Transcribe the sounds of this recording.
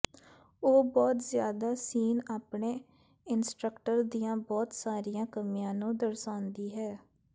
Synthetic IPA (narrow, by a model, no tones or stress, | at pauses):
oːbɔːt̪zjaːd̪aːsiːnaːpɳeː | ɪnsʈɾəkʈəɾd̪ijãːbɔːt̪saːɾijãːkəmijãːnũːd̪əɾsãːnd̪iːɦɛː